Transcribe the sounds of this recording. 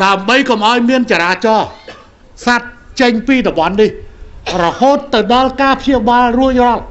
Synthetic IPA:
ɗaəmɓəjkomʔaɔjmiənt͡ɕaːɾaːt͡ɕɑː | sat̪̚t͡ɕəɲpiːɗɔɓɑnːihrɔhoːt̪ːɨwɗɑlkaːpʰjiəɓaːlrʊərŏɑl

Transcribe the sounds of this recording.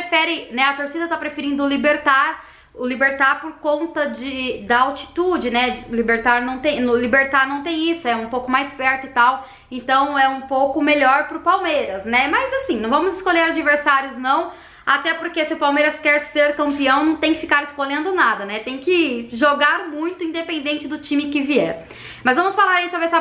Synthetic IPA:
ɾefɛɾɪnɛɐt̪oɾsid̪ɐt̪apɾefeɾĩnd̪ʊlibeɾt̪aɾ | ʊlibeɾt̪aɾpoɾkõnt̪ɐd͡ʒɪd̪ɐawt͡ʃi̥t̪ud͡ʒɪnɛd͡ʒɪlibeɾt̪aɾnɐ̃w̃t̪ẽj̃nlibeɾt̪aɾnɐ̃w̃t̪ẽj̃isʊɛũpowkʊmajspɛɾt̪ʊit̪aw | ẽnt̪ɐ̃w̃ɛũpowkʊmeʎɔɾpɾʊpawmejɾɐsnɛmɐzasĩnɐ̃w̃vɐ̃mʊzɪskoʎeɾad͡ʒiveɾsaɾjʊznɐ̃w̃ | at̪ɛpoɾkesɪʊpawmejɾɐskɛɾseɾkɐ̃mpiɐ̃w̃nɐ̃w̃t̪ẽj̃kɪfikaɾɪskolẽnd̪ʊnad̪ɐnɛt̪ẽj̃kɪʒoɡaɾmũj̃t̪ʊĩd̪epẽnd̪ẽnt͡ʃɪd̪ʊt͡ʃĩmɪkɪviɛ̰ɾ | mɐzvɐ̃mʊsfalaɾisʊɐbɛsɐ

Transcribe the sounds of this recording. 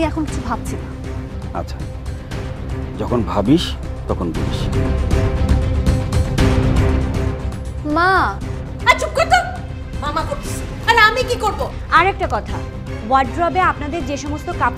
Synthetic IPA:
iɛkʰonkit͡ɕʰubʱab̚t͡ɕʰina | a̰tːt͡ɕʰa | d͡ʑɔkʰonbʱabiʃt̪ɔkʰonb̪ibiʃ | ma | at͡ɕup̚kot̪o | mamaɦobis | aɾamikikoɾbo | aɾɛk̚ʈakɔt̪ʰa | waɾɖɾɔbeapnad̪eɾd͡ʑeʃɔmost̪okap

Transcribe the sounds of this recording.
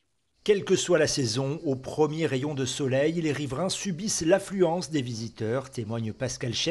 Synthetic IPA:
kʲɛlkəswalasɛzɔ̃opχəmjeʁejɔ̃d̪əsɔlɛjleʁivʁɛ̃sybislaflyɑ̃sd̪evizit̪œʁt̪emwaɲpaskʲalʃɛ

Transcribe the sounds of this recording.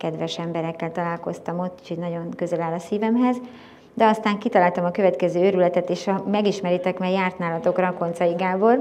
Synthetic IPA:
kɛd̪vɛʃɛmbɛɾɛkːɛlt̪ɒlaːlko̞st̪ɒmo̞t̪ːi̥t͡ʃʰidnɒɟo̞ŋkø̞zɛlaːlɒsiːvɛmɦɛz | d̪ɛɒst̪aːŋkit̪ɒlaːlt̪ɒmɒkø̞vɛt̪kɛzøːøɾylɛt̪ɛt̪eːʃɒmɛɡiʃmɛɾit̪ɛkmɛjaːrt̪naːlɒt̪o̞krɒko̞nt̪sɒjiɡaːbo̞l

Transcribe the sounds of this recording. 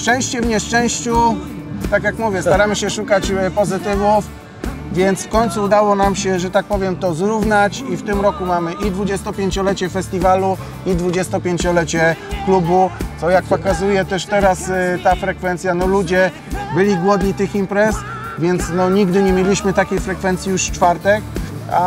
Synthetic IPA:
ʂt͡ʂɛ̃w̃ɕt͡ɕɛvɲɛʂt͡ʂɛ̃w̃ɕt͡ɕu | t̪akjakmuvʲjɛst̪aɾamɘɕɛʂukat͡ɕpɔzɘt̪ɘvuf | vʲjɛnt̪sfkɔɲt̪suːd̪awɔnamɕɛʐɛt̪ak̚pɔvʲjɛmt̪ɔzɾuvnat͡ɕift̪ɘmɾɔkumamɘʔid̪vud͡ʑɛst̪ɔpʲjeɲt͡ɕɔlɛt͡ɕɛfɛsʲt̪ʲivalu | id̪vud͡ʑɛst̪ɔpʲjeɲt͡ɕɔlɛt͡ɕɛklubut̪sɔjak̚pɔkazujɛt̪ɛʂt̪ɛɾast̪afɾɛkfɛnt̪sʲjanɔlud͡ʑɛ | bɘlʲiɡwɔd̪ɲit̪ɘximpɾɛs | vʲjɛnt̪snɔɲiɡd̪ɘɲɛmʲjelʲiɕmɘt̪akʲejfɾɛkfɛnt̪sʲijuʂt͡ʂfaɾt̪ɛka

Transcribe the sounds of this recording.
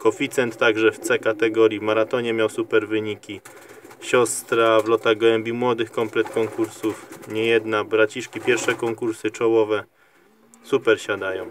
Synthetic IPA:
kɔfʲit̪sɛnt̪ːaɡʐɛft̪sɛkat̪ɛɡɔɾʲjivmaɾat̪ɔɲɛmʲjawsupɛɾvɘɲikʲi | ɕɔst̪ɾavlɔt̪aɡwɛmbʲimwɔd̪ɘxkɔmplɛt̪kɔŋkuɾsufɲɛjɛd̪nabɾat͡ɕiʂkʲipʲjɛɾfʂɛkɔŋkuɾsɘt͡ʂɔwɔvɛ | supɛɾɕad̪ajɔ̃w̃

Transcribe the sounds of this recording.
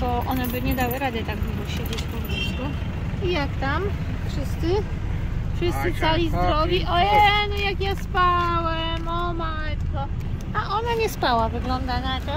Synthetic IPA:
bɔʔɔnɛbɘɲɛd̪awɘɾad̪ɘt̪aɡbɔbɔɕed͡ʑet͡ɕpɔmɡʲisku | ijakt̪am | fʂɘst̪sɘ | fʂɨst̪sɨsalʲizd̪ɾɔɡʲiʔɔɛnɔjakjaspawɛmɔmajt̪kɔ | aʔɔnaɲɛspawavɘɡlɔnd̪anat̪ɔ

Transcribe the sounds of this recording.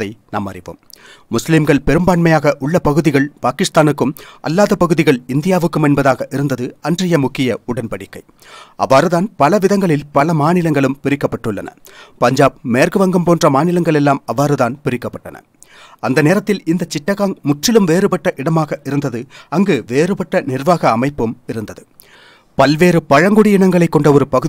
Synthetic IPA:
ɐɪna̰ːmɐ̰rɪʋo̰ːmːʊslɪmɡɐɭpɛɾɯmbaːɳmɐjaːɣɐʔʊɭːɐpɐɣɯðɪɣɐɭpaːkɪst̪aːnɯkːɯmʔɐ̰lːaːðɐpːɐɣɯðɪɣɐɭɪnd̪ɪjaːʋɯkːɯmɛnbɐðaːɣɐʔɪɾɯnd̪ɐðɯɐndrɐjɐmʊkːɪjɐʊɽɐnpɐɽɪkːɐɪ | ʔɐ̰ʋːaːɾɯðaːnpɐlɐʋɪðɐŋɡɐɭɪlpɐlɐmaːnɪlɐŋɡɐɭɯmpɪɾɪkːɐpːɐʈːɯɭːɐ̰nɐ̰pɐɲd͡ʒaːb̚meːrɣɯʋɐŋɡɯmpoːndrɐmaːnɪlɐŋɡɐɭɛlːaːmɐʋːaːɾɯðaːnpɪɾɪkːɐpːɐʈːɐnɐ̰ | ɐnd̪ɐneːɾɐt̪ːɪlɪnd̪ɐt͡ʃːɪʈːɐɣaːŋmʊʈrɪlɯmʋeːɾɯpɐʈːɐʔɪɽɐmaːɣɐʔɪɾɯnd̪ɐðɯɐŋɡeːʋeːɾɯpɐʈːɐnɪrʋaːɣɐːmɐɪpːɯmɪɾɯnd̪ɐðɯ | pɐlʋeːɾɯpɐɻɐŋɡɔɽɪɪɳɐŋɡɐɭɐɪkːɔɳɖɐɔɾɯpɐɣɯ

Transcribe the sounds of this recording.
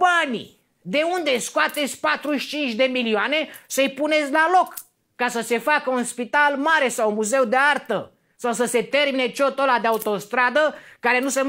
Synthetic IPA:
banḭ | d̪e̞und̪e̞skoat̪e̞t̪sʲpat̪ɾuʃt͡ʃint͡ʃʲd̪e̞milioane̞səjpune̞t̪sʲlalo̞kː | asəse̞fakəunspit̪almaɾe̞sawunmuze̞wd̪eart̪ə | sawsəse̞t̪e̞rmine̞t͡ʃo̞t̪olad̪eaut̪o̞st̪ɾad̪əkaɾe̞nusem

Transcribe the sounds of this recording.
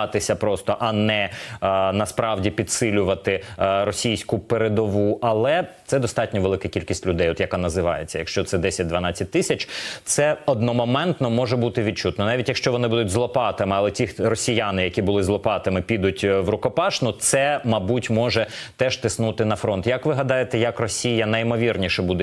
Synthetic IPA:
t̪ɪsʲɐpɾɔst̪ɔʔɐnɛ | nɐspɾɑʋdʲipʲid̪sɪlʲʊʋɐt̪ɪɾɔsʲijsʲkʊpeɾed̪ɔʋuʔɐlˠɛt̪sɛd̪ɔst̪ɑtʲnʲɔʋelˠɪkɐkʲilʲkʲisʲtʲlʲʊd̪ɛjɔt̪jɐkanɐzɪʋɑ̰jet͡sʲːɐjɐkʃt͡ʃɔt̪sɛd̪ɛsʲɐt̚ʲd̪ʋɐnɑt͡sʲːɐt̚ʲt̪ɪsʲɐt͡ʃt̪sɛɔd̪nɔmɔmɛnt̪nɔmɔʒɛbut̪ɪʋʲid̪̚t͡ʃut̪nɔnɑʋʲitʲjɐkʃt͡ʃɔʋɔnɪbud̪ʊtʲzlˠɔpɑt̪ɐmɪɐlˠɛtʲirɔsʲijanɪjɐkʲibʊlˠɪzlˠɔpɑt̪ɐmɪpʲid̪ʊtʲʋɾʊkɔpɑʃnʊt̪sɛmɐbutʲmɔʒɛt̪ɛʒt̪ɪsnut̪ɪnɐfɾɔnt̪jɐkʋɪɦɐd̪ɑjet̪ɛjɐkrɔsʲijɐnɐjmɔʋʲirnʲiʃɛbud̪ɛ

